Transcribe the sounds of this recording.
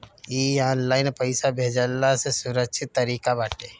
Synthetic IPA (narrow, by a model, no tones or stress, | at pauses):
iaːnlaːɪnpəɪsabʱeːd͡ʒəlːasesʊɾəkʃʰɪt̪ːəɾiːkabaːʈeː